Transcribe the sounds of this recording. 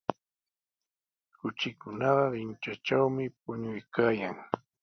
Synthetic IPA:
kʊt͡ʃɪkʊnɑɢɑɾɪnt͡ʃat͡ʃawmɪp̚ʊɲʊjkaːjaŋ

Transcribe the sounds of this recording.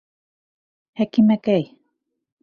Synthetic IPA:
hekimekej

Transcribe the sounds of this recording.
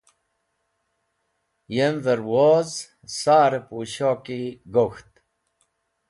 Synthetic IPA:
jemvəɾwoz | saːɾepuːɕoːkiɡoxt̪

